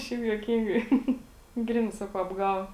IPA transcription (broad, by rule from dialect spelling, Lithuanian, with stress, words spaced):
ˈʃʲɛɪp juɔˈkʲiːŋɡɐɪ ˈɡrʲɪnɐɪ ˈsɑːkɐʊ ɐbˈɡɑːʋoː